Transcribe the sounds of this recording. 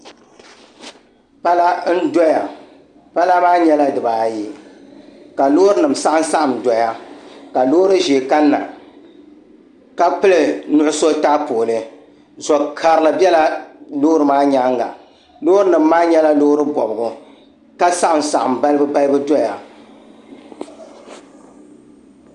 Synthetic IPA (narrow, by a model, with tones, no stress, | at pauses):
pa˦la˦n̩˦dɔ˦ja˨ | pa˦la˦maː˦ɲɛ˦la˦dɨ˨baː˨ji˦ | ka˨loː˦ɾɨ˦nɨ˨m˨sa˦ʔa˦n̩˦sa˦ʔa˨m˨dɔ˨ja˦ka˨loː˦ɾɨ˦ʒe˨ka˦nːa̰˨ | ka˦k͡pɨ˦lɨ˨nʊ˦ʊ˦so˦taː˦poː˨lɨ˦ | zɔ˨kʰa˨ɾɨ˨la˨bjɛ˦la˦lo˦ɾɨ˨maː˦ɲa˦ŋɡa̰˨ | loː˦ɾɨ˦nɨ˨m̩ː˦aː˦ɲɛ˦la˦lo˦ɾɨ˦bɔ̰˨bɨ˨ɡʊ˨ | ka˦sa˦ʔm˨sa˨ʔa˨mba˦lɨ˦bɨ˦ba˦lɨ˦bɨ˦dɔ˦ja˨